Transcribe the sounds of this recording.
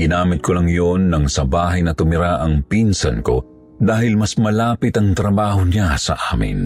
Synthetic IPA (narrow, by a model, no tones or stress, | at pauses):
ɡɪnaːmɪt̪̚kʰolɐŋjonːɐŋsɐbaːɦɐjnɐt̪ʊmɪɾaʔɐŋpinsɐnko̰ | d̪aːhɪlmɐsmɐlaːpɪt̪ɐŋt̪ɾɐbaːhonasɐ̰ʔaːmɪ̰n